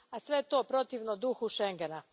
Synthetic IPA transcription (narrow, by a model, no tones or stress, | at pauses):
asʋe̞jet̪o̞ːpɾo̞t̪iʋnod̪uxuʃeŋɡena